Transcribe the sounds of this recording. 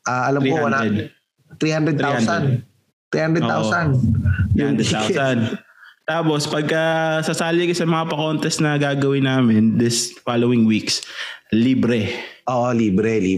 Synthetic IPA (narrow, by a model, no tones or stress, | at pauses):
ʔaːʔɐlɐmɾiːohaɐnaɛd̪ | t̪ɾiːhand̪ɾɛd̪̚ɾihandsn | t̪ɾiːhand̪ɾɛd̪o̰t̪a̰wsɐnjʊŋd̪ɾɛd̪t̪awsɐn | t̪aːpospɐɡ̚kɐsɐsaːlɪkɐsɐmɐŋapɐkont̪ɛsnɐɡaːɡɐwɪnaːmɛnd̪ɪsfalowɪŋwiksliːbɾɛʔoːʔoliːbɾɛlḭ